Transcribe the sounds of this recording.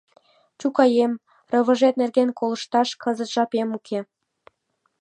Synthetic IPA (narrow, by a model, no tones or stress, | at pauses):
t͡ɕukɑjem | rɤ̆βə̆ʒet̪̚nerɣenkolə̆ʃt̪ɑʃkʰɤzət̪ʒɑpemukʰe